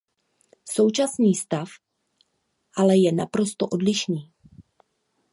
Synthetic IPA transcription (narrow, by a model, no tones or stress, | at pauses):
so̞wt͡ʃasniːst̪af | ʔalɛjɛnapɾo̞st̪o̞ʔodlɪʃniː